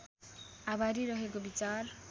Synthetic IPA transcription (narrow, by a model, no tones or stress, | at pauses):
abʱaɾiɾʌɦekobit͡sar